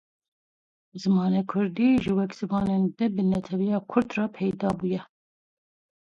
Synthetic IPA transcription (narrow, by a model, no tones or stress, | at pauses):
zɨmɑːnekʰʊɾd̪iʒɨwɛkz̥ɨmɑːnend̪ɛbɨnɛt̪ʰɛvijɑːkʰʊɾd̪rɑːpʰɛjd̪ɑːbuːjɛ